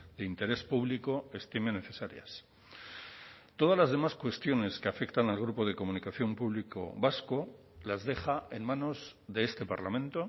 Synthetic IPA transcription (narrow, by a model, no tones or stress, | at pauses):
d̪eint̪e̞ɾe̞spuβliko̞e̞st̪imene̞θe̞saɾja̰s | t̪o̞ð̞azlazðe̞maskwe̞st̪jo̞ne̞skeafe̞kt̪analɣ̞ɾupo̞ðe̞ko̞mũnikaθjo̞mpuβ̞liko̞̰βasko | lazðe̞χae̞nmãno̞zðeest̪e̞paɾlamẽ̞nt̪o̞